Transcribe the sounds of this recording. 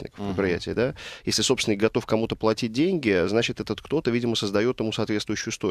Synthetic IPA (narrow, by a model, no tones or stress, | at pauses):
nʲɪ̰kəfpɾɪt̪pɾɪjæ̰tʲɪːd̪ajesʲlʲɪsopsʲɪnəɡɐt̪o̞fkɐmut̪əplˠɐtʲit̚ʲdʲenʲɡʲɪznat͡ɕɪt̪ɛt̪ət̪kt̪o̞t̪əvidʲɪməsəzd̪ɐjo̞t̪ɪmusɐːt̪vʲet̪vʊjɕːʊjʊst̪o